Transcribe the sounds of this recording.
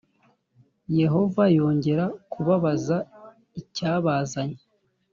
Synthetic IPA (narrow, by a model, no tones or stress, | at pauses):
je̞ɦo̞vajo̞ːɲɟe̞ɾakʰuβaβaza | icaːβaːzaɲe